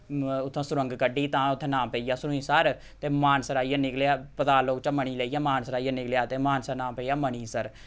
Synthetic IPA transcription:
ʊt̪ʰːãːsʊɾəŋɡkəɖiːt̪ãːʊt̪ʰːẽːnãːmpəːiːjaːsʊɾʊ̃ĩːsəɾ | t̪eːmaːnsəɾaːiːaːnɪklaːpət̪aːloːkt͡ʃaːməɳiːleːiːjaːmaːnsəɾaːijaːnɪkljaːt̪eːmaːnsəɾnãːmpeːiːjaːməɳiːsəɾ

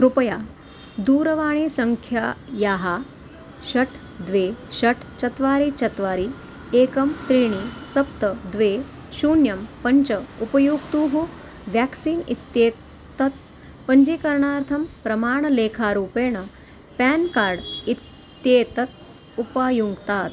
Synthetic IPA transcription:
kɾupɐjaː | d̪uːɾɐʋaːɳ̃eːsɐŋkʰjajaːɦa | ɕɐʈʰ | d̪ʋeːɕɐʈʰt͡ɕɐt̪ʋaːɾiːt͡ɕɐt̪ʋaːɾiː | eːkɐmt̪ɾiːɳ̃iːsɐp̚t̪əd̪ʋeː | ɕuːnjɐmpɐɲt͡ɕəupɐjuːɡt̪uːɦo | ʋjɛksiːnḭt̪jeː | t̪ɐt̪̚ | pəɲd͡ʒiːkɐɾɳaːɾt̪ʰɐmpɾɐmaːɳ̃ɐleːkʰaːɾuːpeːɳ̃ɐ | pɛːnkaːɾɖit̪ | jeːt̪ɐt̪̚ | upaːjuŋɡt̪aːt̪

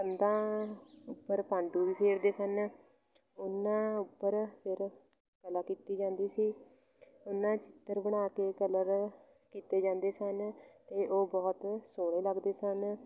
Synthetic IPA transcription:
ənd̪ãːʊpːəɾpãːɳɖuːʋiːpʰeɾd̪eːsən | ʊnːãːʊpːəɾpʰɪɾ | kəlaːkiːt̪iːd͡ʒãːnd̪iːsiː | ʊnːãːt͡ʃɪ̥t̪ːəɾbəɽ̃aːkeːkələɾ | kiːt̪eːd͡ʒãːnd̪eːsənt̪eːʔoːbɔːt̪soːɽ̃eːləɡd̪eːsən

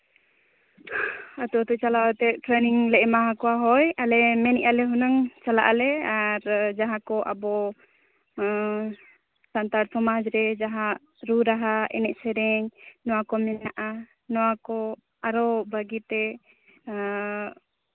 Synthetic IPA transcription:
at̪uat̪ut͡ʃalaat̪ɛʈɾɛniŋlɛʔɛmaɦakɔwaɦɔjalɛmɛniʔalɛɦunaŋt͡ʃala̰ʔalɛaɾd͡ʒaɦãkɔʔa̰bɔ | sant̪aɾsɔmad͡ʒɾɛd͡ʒaɦaʔ | ɾuɾaɦaʔɛ̰nɛʔ̚sɛɾɛɲnɔwakɔmɛnaʔa | nɔwakɔ | aɾɔbaɡit̪ɛ

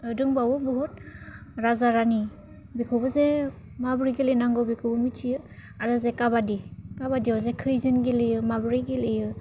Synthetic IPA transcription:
ɯdɯŋbawɔbɔɦut̚ɾazaɾani | bikʰɯbɯze | mabɾiɡilɯjnaŋɡɯbikʰɯbɯmitʰijɯ | aɾɯzekabadikabadiɔzekʰɯjzɯnɡilɯjɯmabɯɾiɡilejɯ

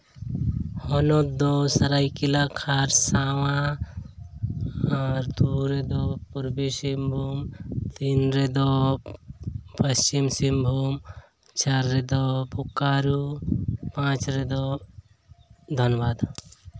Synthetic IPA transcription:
hɔnod̪osɐɾajkilakʰaɾsaːwã | aɾd̪uɾed̪ɔpuɾbisimbʱuːmt̪inɾed̪ɔ | pɐst͡ʃimsimbʱum | t͡ʃaɾːed̪ɔpukːaːɾupãt͡ʃɾed̪ɔ | d̪ʱənʋad̪

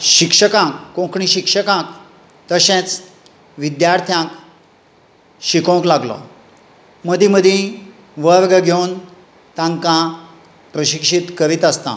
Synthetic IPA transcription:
ɕikʂəkãkːõkʰɳĩɕikʂəkãk | t̪əɕẽt͡s | ʋid̪jaɾt̪ʰjãk | ɕikõklaɡlɔ̰ | məd̪ʱĩməd̪ʱjĩ | ʋəɾɡɡʱewn | t̪ãŋkã | pɾəɕikʂit̪kəɾit̪əst̪ã̰

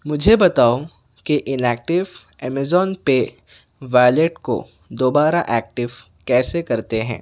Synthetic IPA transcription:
mʊd͡ʒʱebɐt̪aːo | keʔɪnɛːk̚ʈɪʋ | ɛːmɛzɔːnpe | ʋaːjleʈko̰ | d̪oːbaːɾaʔɛːk̚ʈɪʋ | kɛːsekɐɾt̪eɦɛ̰̃ː

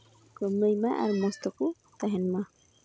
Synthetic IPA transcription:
ɡɔməjmaʔa̰ɾmɔst̪ɔku | t̪aɦɛnma

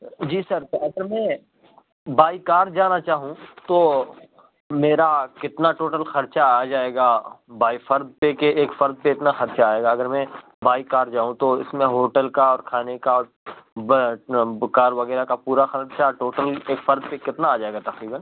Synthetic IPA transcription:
d͡ʒiːsɐɾɐɡəɾmɛ̃ | baːikaːɾd͡ʒaːnat͡ʃaːɦũt̪oː | meːɾakɪt̪naʈoːʈəlxɐɾt͡ʃaːd͡ʒaːeːɡaːbaːifɐɾd̪̚pekeeːkfɐɾd̪̚peɪt̪naxɐɾt͡ʃaːeːɡaɐɡəɾmɛ̃ | baːikaːɾd͡ʒaːɦũt̪oɪsmẽɦoːʈəlkaɔːɾkʰaːnekaɔːɾ | kaːɾʋɐɣɛːɾakapuːɾaxɐlɾt͡ʃʰaʈoːʈəleːkfɐɾd̪̚pekɪt̪naːd͡ʒaːeːɡat̪ɐqɾiːbən

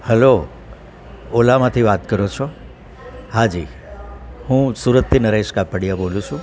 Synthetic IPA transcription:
həlo | olamãt̪ʰiʋat̪kəɾot͡ʃʰɔ | had͡ʒi | hũsuɾət̪ːinəɾeʃkapəɽijabolũt͡ʃʰũ

